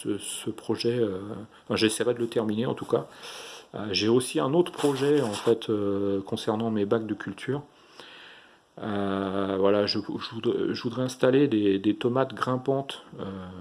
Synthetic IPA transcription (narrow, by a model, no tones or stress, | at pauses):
səsəpχɔʒɛø̃ | fɛ̃ʒesɛjpad̪ələt̪ɛʁmineɑ̰̃t̪uka | ø̰ʒeosiɛ̃not̪χə̥pχɔʒɛɑ̃fɛt̪ʰøkɔ̃sɛʁnɑ̃mebaɡ̚d̪əkʲylt̪ʰyːʁ | øvwalaʒəʒəvud̪ʁɛʒəvud̪ʁɛɛ̃st̪aled̪ed̪et̪ɔmat̪ɡʁɛ̃pɑ̃t̪ø